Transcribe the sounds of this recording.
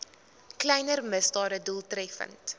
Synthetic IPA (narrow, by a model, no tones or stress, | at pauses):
klɛjnərməsdɑːdədulˠtrɛfə̰nt